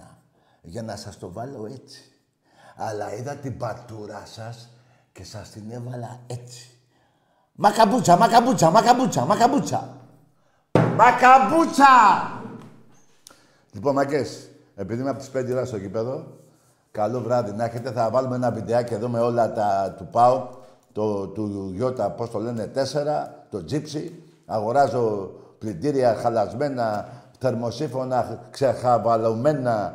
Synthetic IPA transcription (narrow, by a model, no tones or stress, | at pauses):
ʝanɐsɐst̪o̞valo̞e̞t͡si̥ | alɐiðɐt̪ibɐt̪uɾɐsɐs | ce̞sɐst̪ine̞vɐlɐe̞t͡si̥ | makabut͡sɐmakabut͡samakabut͡sɐmakabut͡sɐ̰ | makabut͡sa | lipo̞nmɐces | e̞piðimeɐpot̪i̥sped̪iolɐst̪ocipe̞ðo̞ | kalo̞vɾɐðinɐçe̞t̪e̞θɐvɐlumeenɐvit̪eɐcieðomeo̞lɐt̪ɐt̪upɐo | t̪ot̪uʝo̞t̪ɐpo̞st̪o̞le̞ne̞t̪e̞se̞ɾɐt̪o̞d͡zipsi | aɣo̞ɾɐzo̞plit̪iɾiɐxalɐzme̞nɐθe̞ɾmo̞sifo̞nɐksexavalome̞nɐ